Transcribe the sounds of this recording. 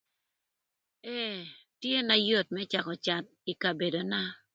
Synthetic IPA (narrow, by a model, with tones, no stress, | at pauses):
ɛ˦˨tje˦na˦jo˦˨t̚mɛ˦t͡ʃa˨kɔ˨t͡ʃa˨t̚i˨ka˨be˨do˨na˦